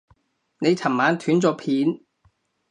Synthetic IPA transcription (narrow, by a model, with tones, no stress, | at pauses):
ne˨˧jt͡sʰɐ˨˩mmaː˨˥nt̪ʰyː˨˥nt͡sɔː˧pʰiː˨˥n